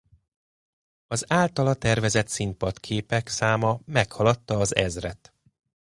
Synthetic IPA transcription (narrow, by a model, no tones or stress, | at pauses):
ɒzaːlt̪ɒlɒt̪ɛrvɛzɛt̪simpɒt̪kʰeːpɛksaːmɒmɛkhɒlɒt̪ːɒːzɛzrɛt̪